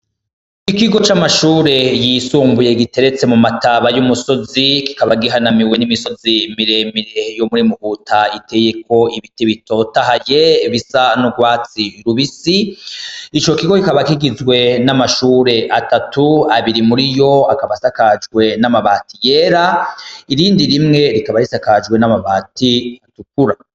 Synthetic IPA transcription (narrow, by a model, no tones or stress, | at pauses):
ikiɡo̞t͡ʃamaʃuːɾe̞jisuːmbuje̞ɡite̞ɾe̞t͡se̞mumataβajumuso̞ziki̥kaβaɡiɦanamiwe̞nimiso̞zimiɾe̞miɾejomuɾimuhuːtaite̞je̞ko̞iβitiβito̞taɦaje̞βisanuɡwaːt͡siɾuβisi | it͡ʃo̞kiɡo̞kikaβakiɡizwe̞namaʃuːɾe̞ʔatatuaβiɾimuɾijo̞akaβasakad͡ʒɡwe̞namaβaːtijeːɾaiɾiːndiɾimŋe̞ɾikaβaɾisakad͡ʒɡwe̞namaβaːtiatuk̚uɾa